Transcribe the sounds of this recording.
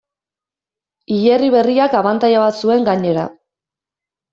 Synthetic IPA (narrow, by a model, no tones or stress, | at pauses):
iʎeriβ̞e̞riakaβant̪ajaβat̪sue̞ŋɡaɲe̞ɾa̰